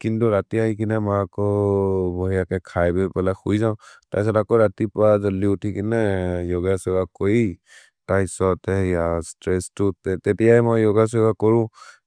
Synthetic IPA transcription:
kintuɹatiaɦikinɛmaakɔbɔɦijakɛkʰajbɛpɛlaxujzaʊ̃ta̰js̬ɔtakɔɹatipazɔliutʰikinɛjoɡasɔɡakoji | tajsɔtɛijastɹɛstʊtɛtɛtijajmojːoɡas̬ɔɡakɔɹʊ̃

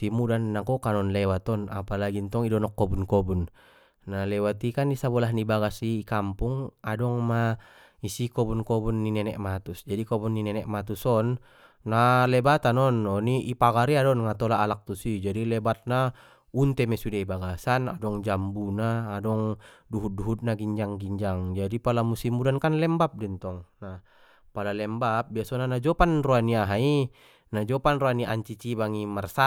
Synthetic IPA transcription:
simudanːakɔkanɔnlɛwat̪ɔna̰palaɡint̪ɔŋidɔnɔkːɔbunkɔbunː | alɛwat̪ikanisabɔlahnibaɡasikampuŋadɔŋma | isikɔbunkɔbunːinɛnɛʔmat̪usd͡ʒadikɔbunːinɛnɛʔmat̪usɔnː | alɛbat̪anɔnːɔniʔipaɡaɾiadɔnŋat̪ɔlaːlak̚t̪usid͡ʒadilɛbat̪̚na | unt̪ɛmɛsudaibaɡasana̰dɔŋd͡ʒambunaːdɔŋduɦut̪̚duɦut̪̚naɡiɲd͡ʒaŋɡiɲd͡ʒaŋd͡ʒadipalamusimudankanlɛmbap̚dɛnt̪ɔŋna | palalɛmbap̚biasɔnanad͡ʒɔpanruaniaɦai | nad͡ʒɔpanruaniʔa̰ɲt͡ʃit͡ʃibaŋimarsa

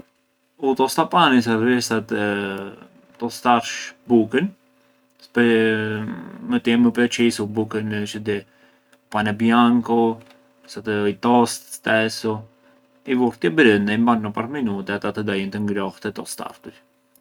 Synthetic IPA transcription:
ut̪ɔst̪apanis̬aɾɛsat̪ɛ | t̪ɔst̪aɾʃbukən | spɛ | mət̪ɛməpɾɛt͡ʃisubukənt͡ʃəd̪ɛ | panɛbjaŋkɔ | sat̪əjt̪ɔst̪t̪ɛsu | ivuɾt̪jɛbɾənɛimbannɔpaɾminut̪ɛat̪at̪əd̪ajint̪əŋɡɾɔht̪ɛt̪ɔst̪a̰ɾt̪uɾ

